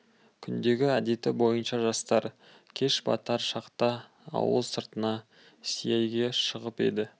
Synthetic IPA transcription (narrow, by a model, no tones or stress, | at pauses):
kʲʰʏnd̪e̞ɡʲɪæd̪e̞t̪ɪbo̞jənʃɑʒɑst̪ɑɾ | kʲʰe̞ʃbɑ̰t̪ɑɾʃɑqt̪ɑ̰ː | wə̰lˠsəɾt̪ənɑ | sijejɡʲe̞ʃəʁəpe̞̰d̪ɪ